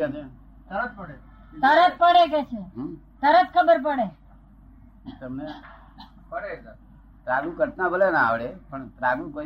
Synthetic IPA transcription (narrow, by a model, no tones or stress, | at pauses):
at͡ʃʰe | t̪əɾət̪̚pəɽe | t̪əɾət̪̚pəɽekɛt͡ʃʰeɦ | t̪əɾət̪kʰəbəɾp̬əɽe | t̪əmne | pəɽesa | t̪ɾaɡũkəɾt̪nãbəlenaaʋɭepəɳt̪ɾaɡũkəɾ